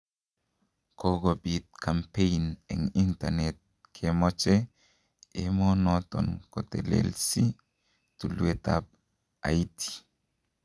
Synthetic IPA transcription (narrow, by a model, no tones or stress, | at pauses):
koɡobit̪̚kʰampenɛ̰ŋinta̰nɛt̪̚ | kʰemɔt͡ʃe | emɔnɔt̪ɔ̰nkɔt̪ḛlḛlsi | t̪uluet̪a̰p̚ | aitʰi̥